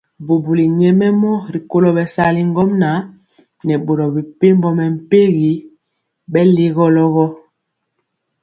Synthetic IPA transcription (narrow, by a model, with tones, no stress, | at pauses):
bo˨bu˨li˨ɲɛ˦mɛ˦mɔ˦ɾi˨ko˦lɔ˦bɛ˨sa˦li˦ŋɡɔ˦mna˨˦ | nɛ˨ɓo˨ɾɔ˨bi˨pe˦mbɔ˦mɛ˨m̩˨pe˦ɣi˨˦ | ɓɛ˦le˦ɣɔ˦lɔ˦ɣɔ˦